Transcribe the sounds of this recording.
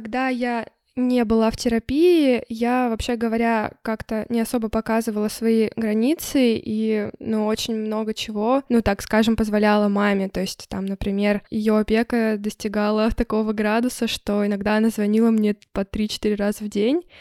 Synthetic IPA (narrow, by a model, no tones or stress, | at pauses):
ɐɡd̪aja | nʲebɨlˠaftʲɪɾɐpʲiɪjavɐpɕeɡəvɐɾʲakakt̪ənʲɪɐso̞bəpɐkazɨvəlˠəsvɐiɡɾɐnʲit̪sɨinuo̞t͡ɕɪnʲmno̞ɡət͡ɕɪvo̞nut̪akskaʐɨmpəzvɐlʲalˠəmamʲɪt̪o̞ɪsʲtʲt̪a̰mnəpɾʲɪmʲe̞rjʊɐpʲe̞kəd̪əsʲtʲɪɡalˠət̪ɐko̞vəɡɾad̪ʊsəʂt̪o̞ɪnɐɡd̪aɐnazvɐnʲilˠəmnʲe̞pɐt̪ɾʲit͡ɕɪ̥t̪iɾʲɪrazəvdʲenʲ